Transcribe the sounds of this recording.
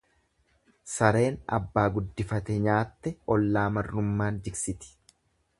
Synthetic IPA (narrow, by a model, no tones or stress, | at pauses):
sɐɾe̞ːnɐ̰bːaːɡʊd̪ːɪfɐt̪ɛɲaːt̪ːɛɔlːaːmɐrːʊmːaːnd̪ɪksɪt̪ɪ̥